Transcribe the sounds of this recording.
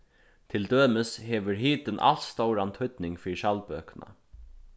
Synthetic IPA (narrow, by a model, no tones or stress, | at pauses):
t̪ʰɪld̪øːmɪshɛːʋɵɾɦiːt̪ɪnʔa̰l̥sst̪owɾant̪ʰʏt̪nɪŋkfiːɾɪʃalpøːkəna̰